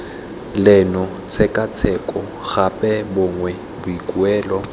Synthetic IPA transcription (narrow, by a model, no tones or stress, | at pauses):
lɪnɔ | t͡sʰɛkʼat͡sʰɛkʼɔ | ɣapʼɛbʊŋwɛ | bʊikʼuɛːlɔ